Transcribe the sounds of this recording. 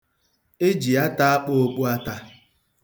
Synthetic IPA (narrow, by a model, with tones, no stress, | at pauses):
e˦d͡ʒi˨a˦ta˦a˦k͡po˦o˦k͡pu˦a˦ta˦